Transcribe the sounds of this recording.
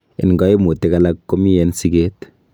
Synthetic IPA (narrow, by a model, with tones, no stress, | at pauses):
ḛ˨nɡɔ˦e˦mo˨te˦ka˦la˦kkːo˦mi˦jɛ˦nsi˦ke˦t